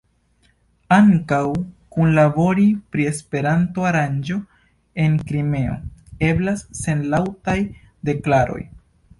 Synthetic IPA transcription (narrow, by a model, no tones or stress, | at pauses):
aŋkawkunlabo̞ɾipɾie̞spe̞ɾantoaɾand͡ʒo̞ | e̞ŋkɾime̞o̰ne̞blasːe̞nlawtaj | de̞klaɾo̞̰j